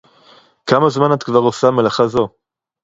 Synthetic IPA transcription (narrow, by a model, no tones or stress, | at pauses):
kamazmanatkvaʁosamelaχazo̞